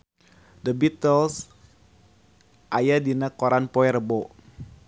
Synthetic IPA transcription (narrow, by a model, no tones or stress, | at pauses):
dəbit̪əls | ʔajadinakoɾanpoɛrəbo